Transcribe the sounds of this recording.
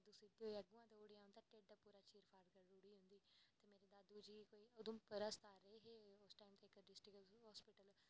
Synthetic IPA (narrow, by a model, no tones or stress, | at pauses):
ad̪usɪd̪ioəɡʊãːt̪eʊɽijãːɦʊ̃nd̪aːʈeːɖd̪aːpuːɾaːt͡ʃiːɾpʰaːɾɖkəɾɾuɽiːɦʊ̃nd̪iːt̪eːmeːɾeːd̪aːd̪uːd͡ʒiːkoːiːod̪õːpəɾəst̪aːɾɾəeɦeʊsʈaːimt̪eːɪkɖɪsʈɾɪkɦɔːspɪʈəl